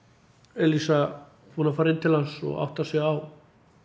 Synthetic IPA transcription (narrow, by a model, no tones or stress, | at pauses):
ɛlisa | hunafaːɾɪnt̪ʰɪlhansɔ̰ɣa̰wht̪asɛɣaw